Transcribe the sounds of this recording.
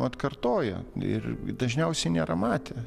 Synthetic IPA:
ɐt̪kɐrt̪oːjɛ̰ɪ̰rd̪ɐʒʲnʲɛʊsʲɛɪnʲeːɾɐmɑːt̪ʲe

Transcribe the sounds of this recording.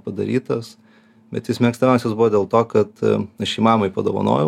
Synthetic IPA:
pɐd̪ɐ̰ɾʲiːt̪ɐs | bʲɛt̪jɪsmʲɛkst̪ɐnʲɛʊsʲɛsbʊʋod̪ʲeːlˠt̪oːkɐt̪ɐʃiːmɑːmɐɪpɐd̪oːʋɐ̰no̰ːjɛ

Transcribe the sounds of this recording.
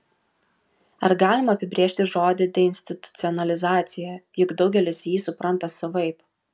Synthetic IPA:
ɐɾɡɑːlʲɪmɐːpʲɪbʲɾʲeːʃʲt̪ʲɪʒoːd̪ʲɪd̪ʲɛɪnʲsʲt̪ʲɪt̪ʊ̥t̪sʲɪɔnɐlʲɪzɑːt̪sʲɪjɛjʊɡd̪ɒʊɡʲɛlʲɪsjiːsʊpɾɐnt̪ɐsʊʋɐɪp

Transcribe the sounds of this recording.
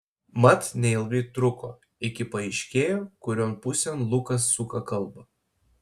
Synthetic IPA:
mɐt̪nʲɛɪlˠʋʲɛɪt̪ɾʊkoː | ɪkʲɪpɐɛɪʃʲkʲeːjoːkʊɾʲoːnpʊsʲɛnlˠʊkɐsːʊkɐkɐlˠbɐ

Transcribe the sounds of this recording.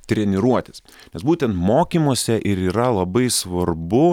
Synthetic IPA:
t̪ʲɾʲɛnʲɪɾuɔt̪ʲɪs | nʲɛsbuːt̪ʲɛnt̪moːkʲiːmuːsʲɛʔɪɾiːɾɐlˠɐbɐɪsʋɐɾbʊ

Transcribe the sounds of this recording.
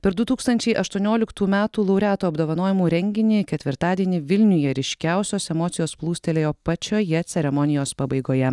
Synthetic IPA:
pʲɛɾd̪ʊt̪uːkst̪ɐnʲt͡ʃʲɛɪʔɐʃt̪uɔnʲoːlʲɪkt̪uːmʲæːt̪uːlˠɐʊɾʲæːt̪oːɐbd̪oːʋɐnoːjɪmuːɾʲɛŋʲɡʲɪnʲeːkʲɛt̪ʲʋʲɪɾt̪ɑːd̪ʲiɛnʲɪʋʲɪlʲnʲʊjɛɾʲɪʃʲkʲæʊsʲoːsɛmoːt̪sʲɪjoːsplˠuːsʲt̪ʲɛlʲeːjoːpɐt͡ʃʲoːjɛt̪sʲɛɾʲɛmɔnʲɪjoːspɑbɐɪɡoːjɛ

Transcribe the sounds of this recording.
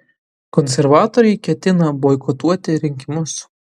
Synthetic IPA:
kɔnʲsʲɛɾʋɑːt̪ɔɾʲɛɪkʲɛt̪ʲɪnɐbɔɪkɔt̪uɔt̪ʲɪɾʲɪŋʲkʲɪmʊs

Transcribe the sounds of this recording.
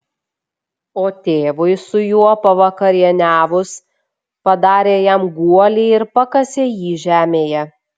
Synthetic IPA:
oːt̪ʲeːʋʊɪsʊjuɔpɐʋɐkɐɾʲiɛnʲæːʋʊs | pɐd̪ɑːɾʲeːjɛmɡuɔlʲɛɪɪɾpɐkɐsʲeːjiːʒʲæːmʲeːjɛ

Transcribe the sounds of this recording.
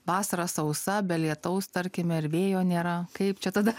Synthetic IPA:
ʋɑːsɐɾɐsɐʊsɐbʲɛlʲiɛt̪ɐʊst̪ɐɾʲkʲɪmʲɛɪɾʋʲeːjoːnʲeːɾɐkɐɪpt͡ʃʲɛt̪ɐd̪ɐ

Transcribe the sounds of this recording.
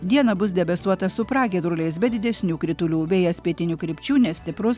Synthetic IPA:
d̪ʲiɛnɐbʊs̬d̪ʲɛbʲɛst̪uɔt̪ɐsʊpɾɑːɡʲɛd̪ɾʊlʲɛɪs̬bʲɛd̪ʲɪd̪ʲɛsʲnʲuːkɾʲɪt̪ʊlʲuːʋʲɛːjɛsʲpʲiɛt̪ʲɪnʲuːkɾʲɪpʲt͡ʃʲuːnʲɛsʲt̪ʲɪpɾʊs

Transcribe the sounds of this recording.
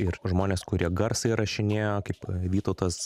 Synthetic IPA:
ɪɾʒmoːnʲeːskʊɾʲiɛɡɐɾsɐɪɾɐʃʲɪnʲeːjokɐɪpʋʲiːt̪oʊt̪ɐs

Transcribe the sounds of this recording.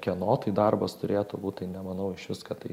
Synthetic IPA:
kʲiɛnoːt̪ɐɪd̪ɐrbɐst̪ʊɾʲeːt̪ʊbuːt̪ʲt̪ɐɪnʲɛmɐnɐʊɪʃʋʲɪskɐt̪ɐɪ

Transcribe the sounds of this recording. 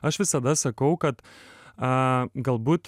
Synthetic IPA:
ɐʃʋʲɪsɐd̪ɐsɐkɐʊkɐt̪ɐɡɐlˠbuːt̪

